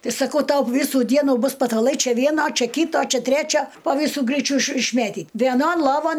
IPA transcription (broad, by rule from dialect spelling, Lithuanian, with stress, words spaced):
ˈtʲɪ sɐˈkɐʊ ˈtɐʊ ˈʋʲiːsuː ˈdʲiɛnuː ˈbʊs pɐtɐˈlˠɐɪ ˈt͡ʃʲɛ ˈʋʲiɛnoː ˈt͡ʃʲɛ ˈkʲiːtoː ˈt͡ʃʲɛ ˈtʲrʲæt͡ʃʲoː poː ˈʋʲiːsuː ˈɡrʲiːt͡ʃʲʊ ɪʃ ɪʃʲˈmʲeːtʲiːt ʋʲiɛˈnoːn lˠoːˈʋoːn